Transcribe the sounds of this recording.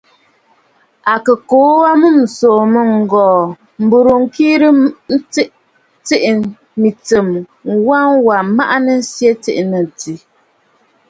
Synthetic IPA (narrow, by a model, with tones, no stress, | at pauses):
a˨kə˨koː˨˦wa˦mu˦˨m̩˨soː˨mə˦ŋ̩˨ɡɔː˨ | m̩˨bo˨ɾo˨ŋ̩˦kiː˦ɾə˦n̩˦t͡sʔ | te˦ʔ | mi˨t͡sə˨m | wa˦ŋwa˨ma˦ʔa˦nə˦n̩˦sje˦tḛ˦ʔnə˨ti˨